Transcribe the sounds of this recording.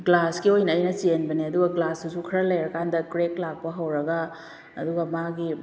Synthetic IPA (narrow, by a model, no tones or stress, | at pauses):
ɡlaskiojnɐːjnɐt͡ʃenbɐniɐduɡɐɡlasɐsukʰɐɾɐlɐjɾɐkandɐkɾeklak̚pɐɦɐwɾɐɡɐː | duɡɐmaɡi